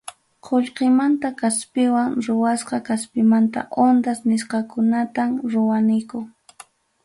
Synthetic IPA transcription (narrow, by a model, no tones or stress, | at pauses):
qʰoʎqemant̪akaspɪwaŋɾʊwasqɑkaspɪmant̪a̰ʔond̪asnɪsqɑkʊnat̪amɾʊwanɪkʊ